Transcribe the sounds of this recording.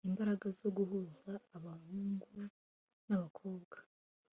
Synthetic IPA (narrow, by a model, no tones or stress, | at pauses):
imbaɾaɡazo̞ɡuɦuzaːβahuːŋɡu | naβakʰo̞ːbɡ̥ḁ